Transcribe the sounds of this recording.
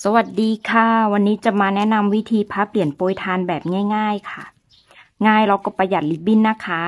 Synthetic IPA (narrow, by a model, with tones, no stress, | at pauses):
sa˧wa˨˩t̪̚diː˧kʰa˧˥˩wa˧nːiː˦˥t͡ɕa˨˩maː˧nɛ˦˥na˧mwi˦˥t̪ʰiː˧pʰaː˦˥pli˨˩ənpoː˧jt̪ʰaː˧nbɛː˨˩p̚ŋaː˥˩jŋaː˥˩jkʰa˧˩ | ŋaː˥˩jla˧˩wkɔ˧˩pa˧ja˨˩t̪̚li˦˥bi˧˥˩nːa˦˥kʰa˦˥